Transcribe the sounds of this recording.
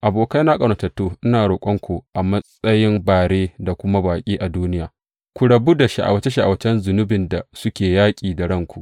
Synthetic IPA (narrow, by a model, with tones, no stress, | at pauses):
ʔa˨boː˨ka˦jnaː˦kʼɐ˨ɽɐ˨tɐ˨tːuː˦ʔɪ˦naː˨ɾoː˨kʷʼɔ˦ŋkʷu˨ʔa˨mɐ˦sʼɐ˦jɪ˦mbaː˨ɽeː˦da˨kʷʊ˦ma˦baː˨kʲʼiː˦ʔa˨duː˦nɪ˦jaː˨ | kʷu˨ɽɐ˨bu˦da˨ʃa˦˨ʔa̰˨wɐ˦t͡ʃe˦ʃa˨ʔa̰˨wɐ˦t͡ʃɛ˦nzʊ˨nʊ˦bɪ˨nda˨sʊ˦kʲeː˨jaː˦kʲʼiː˨da˨ɽɐ˦˨ŋkʷu˨ʔ